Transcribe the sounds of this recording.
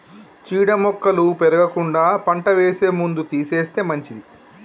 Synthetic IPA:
t͡ʃiːɽɐmɔkːɐlupeɾɐɡɐkuɳɖaːpɐɳʈɐʋeːse̞ːmund̪ut̪iːseːst̪e̞ːmɐɲt͡ʃid̪i

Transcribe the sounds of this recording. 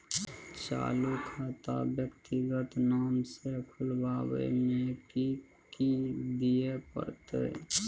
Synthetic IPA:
t͡ʃa̰ːlukʰat̪a̰bjəkt̪iɡət̪naːmsekʰʊlbaːbə̰jmeki | kid̪iepə̰ɾt̪ḛ

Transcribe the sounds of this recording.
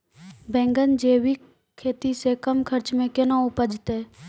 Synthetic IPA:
bɛ̃ːŋɡənd͡ʒeːwik | kʰːeːt̪isekəmkʰəɾt͡ʃmẽkenãʊpəd͡ʒt̪e

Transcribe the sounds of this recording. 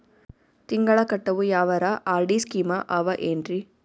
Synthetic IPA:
t̪ɪŋɡɐɭɐkːɐʈːɐʋɯjaːʋɐɾaʔaːɾɖiskiːmɐʔɐʋɐʔendri

